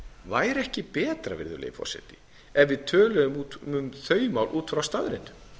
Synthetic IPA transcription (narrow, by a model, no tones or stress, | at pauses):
vaːjɾɛhcɪpɛːt̪ɾavɪ̰ɾðʏ̰lḛjfɔ̰ɾ̥sɛ̰t̪ɪ̥ | ɛvvɪðt̪ʰœːlœʏmut̪ʏmθœːɥjmawlʔuːt̪fɾawst̪aðɾɪn